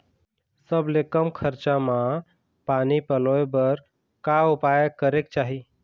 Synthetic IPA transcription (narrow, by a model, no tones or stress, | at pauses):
səblekəmkʰəɾt͡ʃamã | panipəloebəɾ | kaupajəkəɾekt͡ʃaɦi